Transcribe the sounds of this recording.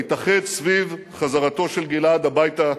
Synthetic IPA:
it̪aχedsviv | χazaʁat̪o̞ʃelɡilad̪abajta

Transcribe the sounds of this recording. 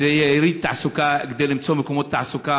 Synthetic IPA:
ejeɾid̪̚t̪aʕasukaɡed̪elimt͡somekomot̪ːaʕasuka

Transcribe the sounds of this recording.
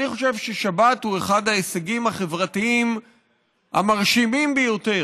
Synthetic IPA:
niχo̞ʃevʃeʃabathue̞χad̪aeseɡimaχe̞vʁatiim | ha̰maʁʃimimbejo̞te̞

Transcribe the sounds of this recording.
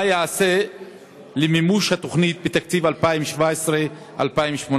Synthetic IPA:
ajaase | lemimuʃhat̪o̞χnit̪̚bet̪akt͡sivalpaimʃvaesʁe | ʔa̰lpaimʃmon

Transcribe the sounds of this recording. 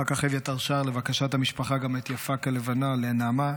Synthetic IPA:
akaχevjat̪aʁʃaːʁle̞vakaʃathamiʃpaχaɡamet̪jafakalevanalenaːma

